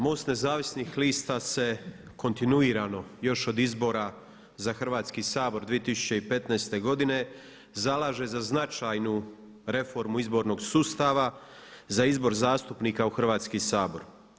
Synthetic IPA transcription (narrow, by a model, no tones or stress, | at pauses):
mo̞st̪ne̞zaːʋisnixliːst̪ase̞ | ko̞nt̪inuiːɾano̞jo̞ʃo̞d̪izbo̞ɾa | zaxr̩ʋaːt̪skisaːbo̞ɾd̪ʋije̞t̪isu̥t͡ɕe̞ipe̞t̪najst̪e̞ɡo̞d̪ine̞ | zalˠaːʒe̞zaznat͡ʃajnu | ɾe̞fo̞ɾmuizbo̞ɾno̞ɡsuːst̪aʋa | zaizbo̞ɾzaːst̪upniːkauxr̩ʋaːt̪skisaːbo̞ɾ